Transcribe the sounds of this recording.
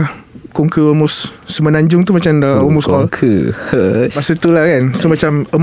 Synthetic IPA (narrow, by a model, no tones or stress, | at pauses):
kuŋkəəmʊsːəmənaɲd͡ʒʊŋt̪umat͡ʃamdaəmʊsɔlkʰə | pasut̪ulakansumat͡ʃaməm